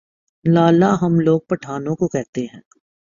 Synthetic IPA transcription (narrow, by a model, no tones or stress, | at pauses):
laːlaɦɐmloːɡ̚pɐʈʰaːnõkokɛɦt̪eɦɛ̃ː